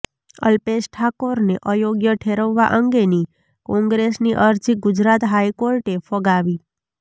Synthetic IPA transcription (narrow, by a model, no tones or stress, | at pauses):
ə̰lpesʈʰakoɾneʔəjoɡjəʈʰeɾəʋːa̰ʔəŋɡeni | kɔ̃ŋɡɾesniʔəɾd͡ʒiɡʊd͡ʒɾat̪ɦajkoɾʈefəɡaʋi